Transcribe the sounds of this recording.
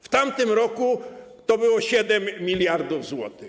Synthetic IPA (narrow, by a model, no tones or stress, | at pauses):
ft̪amt̪ɘmɾɔku | t̪ɔbɘwɔɕɛd̪ɛmːʲilʲjaɾd̪uvzwɔ̰t̪ɪ